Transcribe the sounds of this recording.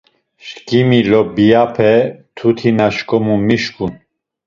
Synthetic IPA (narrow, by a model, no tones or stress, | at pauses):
ʃkimilɔbijapʰɛt̪ʰut̪ʰinaʃkʼɔmumiʃkʰʼun